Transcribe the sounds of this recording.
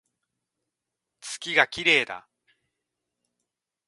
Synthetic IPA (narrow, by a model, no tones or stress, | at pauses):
t͡sɨ̥kʲiɡakʲiɾe̞ːd̪a̰